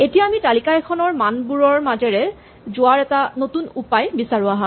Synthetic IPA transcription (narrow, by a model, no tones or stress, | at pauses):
etijaːmitalikajkʰɔnɔɹmanbuɹɔɹmazɛɹɛ | zʊaɹɛtanotunupajbisaɹuaɦã